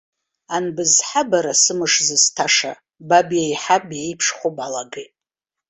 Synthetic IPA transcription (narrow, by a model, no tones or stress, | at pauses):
anbɨzħabaɾasɨmɨʂzɨstʰaʂa | babjajħabjejpʰʂχʷopʼalaɡetʼ